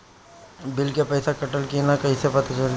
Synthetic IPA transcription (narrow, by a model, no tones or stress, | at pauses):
bɪlkepəɪsakəʈəlkinakəisepət̪at͡ʃəɾ